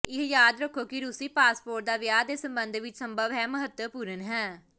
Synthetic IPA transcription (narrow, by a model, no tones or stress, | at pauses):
ɪɦjaːd̪ɾəkʰːoːkɪɾʊsiːpaːspoːɾʈ̚d̪aːʋjaːd̪eːsəmbənd̪ʋɪt͡ʃsəmbəʋɦɛːməɦət̪əpuːɾənɦɛː